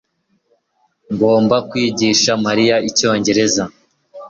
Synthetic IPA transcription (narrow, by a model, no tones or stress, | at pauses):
ŋɡo̞ːmbakwiːɟiʃamaɾijaico̞ːɲɟe̞ɾe̞za